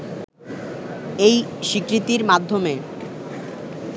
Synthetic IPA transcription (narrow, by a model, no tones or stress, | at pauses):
ejʃikɾit̪iɾmad̪ʱːome